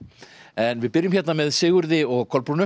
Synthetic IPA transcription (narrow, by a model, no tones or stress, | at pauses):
ɛnvɪðpɪɾjʏmçjɛt̪namɛðsɪːɣʏɾðɪɔɣkʰɔlpɾunʏ